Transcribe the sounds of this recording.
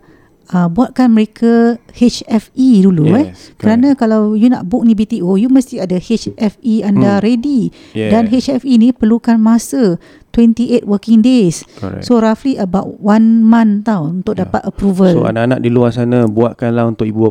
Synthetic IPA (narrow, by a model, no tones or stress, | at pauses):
əbuaʔ̪̚kanməɾekʰahet͡ʃɛfiduluɛkəɾanãkalawjuna̰ʔbʊk̚nĩbit̪iʔojuməst̪iadəhet͡ʃɛfiandaɾedi | danɦet͡ʃɛfinĩpərlukanmasə | t̪wɛnt̪iʔet̪wəkɪŋdessoɾafliʔəbaʔwanmãnt̪awunt̪ʊk̚dapat̪̚əpɾuvəslo̰a̰naʔana̰ʔ̚diluasanabuaʔ̪̚kanlaɦunt̪ʊkibu